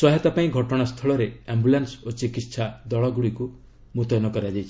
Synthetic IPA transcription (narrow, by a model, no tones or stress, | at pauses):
sɔɦet̪apaĩɡʱɔʈɔɽ̃ast̪ʰɔɭɔɾeambulansot͡ʃikit̪ːʃʰad̪ɔɭɔɡuɭiku | mut̪ɔnɔkɔɾad͡ʒajt͡ʃʰi